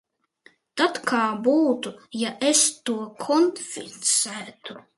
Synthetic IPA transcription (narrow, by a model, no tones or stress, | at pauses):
t̪at̪kʰaːbuːt̪ujaʔest̪uɔkʰɔnfʲḭsæːt̪u